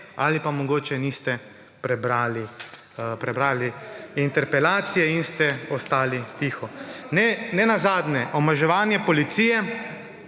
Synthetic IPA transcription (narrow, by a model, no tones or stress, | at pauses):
a̰lipamɔɡoːt͡ʃɛniːst̪ɛ | pɾɛbɾaːli | pɾɛbɾaːliint̪ɛɾpɛlaːt̪sijɛinst̪ɛɔst̪aːlit̪iːxɔnɛnɛnazaːd̪nɛʔɔmaʒɛʋaːnjɛpɔlit̪siːjɛ